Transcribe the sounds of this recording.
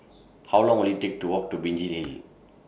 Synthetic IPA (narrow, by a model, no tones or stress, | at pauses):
hawlɔ̃ŋolitek̚tuwɔk̚tubind͡ʒilel